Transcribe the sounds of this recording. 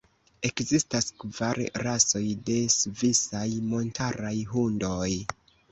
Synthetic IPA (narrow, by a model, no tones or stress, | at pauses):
e̞kzistaskvaɾɾaso̞jde̞svisajmo̞ntʰaɾajɦundo̞j